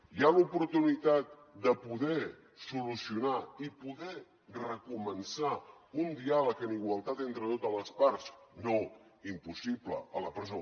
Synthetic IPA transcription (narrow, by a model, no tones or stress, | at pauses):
jalupuɾt̪unit̪at̪̚ | d̪əpuðɛ | sulusiunaipuðɛ | rəkumənsaund̪ialəkəniɣwəlˠt̪at̪ent̪ɾət̪ot̪ələspaɾsno | impusiplə̰ələpɾəzo